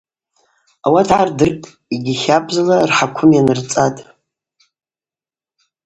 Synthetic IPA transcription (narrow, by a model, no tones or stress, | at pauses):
awatʰʕardɨrkʼ | iɡʲiχʲapʼzalarħakʷʰʊmjanɨrt͡sʼatʼ